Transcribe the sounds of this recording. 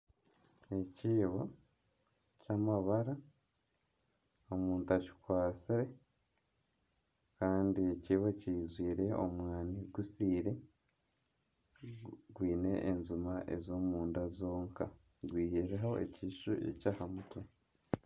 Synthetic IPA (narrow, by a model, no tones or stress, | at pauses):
e̞ciːβo | camaβaɾa | omuːntaci̥kwaːsiɾe̞ | kaːndieciːβociːzwiːɾe̞o̰mwaːniɡusiːɾe̞ | ɡwiːne̞ʔːnzumaʔe̞̰zo̞ːmuːndazo̞ːŋka | ɡwiːjeɾeɦo̞ḛciʃuḛcaːhamutʰo